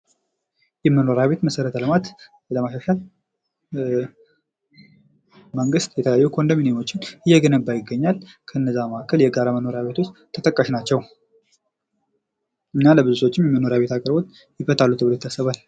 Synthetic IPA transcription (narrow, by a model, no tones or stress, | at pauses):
jɛmːəno̞ɾaβe̞t̪məsəɾət̪ʰəlɨmat̪ | ləmaʃaʃal | məŋɡɨst̪jɛt̪ʰəəjajːukʰo̞nd̪ominimo̞t͡ʃːɪnɨjːɛɡənəbːajɪɡːəɲːalkʰəɨnːəzːaməʔakːəljɛɡaɾaməno̞ɾaβe̞t̪ʰo̞t͡ʃːt̪ʰːət̪ʼəkʼːəʃnat͡ʃːɛw | ʔɨɲːaləβɨzut̪ʰo̞t͡ʃːɪmjɛmːəno̞ɾaβe̞t̪ʰakʼəɾbo̞t̪ | jɪfət̪ʰalːut̪ʰɨbβlet̪ʰːasəβal